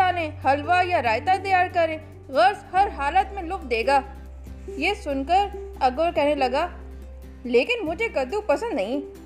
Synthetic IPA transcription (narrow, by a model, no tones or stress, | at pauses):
aːnẽhɐlʋajaɾaːjt̪at̪ɐjaːɾkɐɾẽː | ɣɐɾshɐɾɦaːlət̪mẽlʊkd̪eːɡaː | jesʊnkəɾɐɡəɾkɛɦnelɐɡaː | leːkɪnmʊd͡ʒʱekɐd̪upɐsə̃nd̪nɐɦĩ